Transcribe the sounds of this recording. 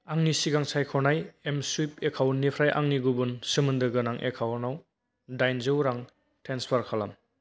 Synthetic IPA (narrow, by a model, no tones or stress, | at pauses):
aŋnisiɡaŋsajkʰɔnajemsip̚ekʰawnːipʰɾajʔa̰ŋniɡubunsɯmɯndɯɡɯnaŋʔḛkʰawnaw | dajnzɯwɾaŋ | tʰenspʰaɾkʰalam